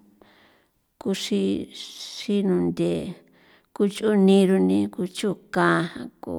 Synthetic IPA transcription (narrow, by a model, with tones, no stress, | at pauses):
ku˧ʂi˧ʂi˧nũ˧nd̪ʲe˨ | ku˧t͡ʃu˦nĩ˧ɾu˧nĩ˧ku˧t͡ʃu˦˨kã˦˧hã˧ko̰˨